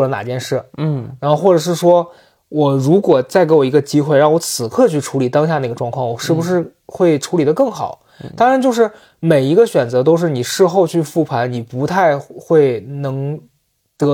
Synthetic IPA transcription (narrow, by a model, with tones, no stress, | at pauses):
lə˧˩na̰˨˩t͡ɕjɛ˥˧nʂɻ̩˥˩˥ɻa˧˥nxo˥˧ʊxwɔ˥˩ʈ͡ʂɤ˨˩ʂ̬ɻ̩˥˩ʂwɔ˥ | wɔ˨˩ɻu˧˥kwɔ˨˩t͡sa˥˩ɪke˧˥ɪwɔ˨˩i˧˥ɡə˧t͡ɕi˥xwe˥˧ɪɻɑ˥˩˧ŋwɔ˧˥t͡sʰɹ̩˨˩kʰɤ˥˧t͡ɕʰy˥˩ʈ͡ʂʰu˧˥li˨˩t̪ɑ˥ŋɕ̬ja˥˩˧n˥˩ɡə˩ʈ͡ʂwɑ˥˧ŋkʰɑ˥˩ŋwɔ˨˩ʂɻ̩˥˩bu˩ʂ̬ɻ̩˥˧ | xwe˥˩ɪʈ͡ʂʰu˧˥li˨˩d̪ə˦kɤ˥˩ŋxɑ˨˩˦ | t̪ɑ˥ŋɻa˧nt͡ɕjo˥˧ʊʂ̬ɻ̩˥˩ | me˨˩ɪi˧˥ɡə˧ɕɥɛ˨˩nt͡sɤ˧˥t̪o˥ʊʂ̬ɻ̩˥˩ni˨˩ʂɻ̩˥˧xo˥˧ʊt͡ɕʰy˥˧fu˥˩pʰa˧˥nni˨˩pu˧˥t̪ʰa˥˧ɪxwe˥˩ɪnɤ˧˥ŋ | t̪ɤ˧˥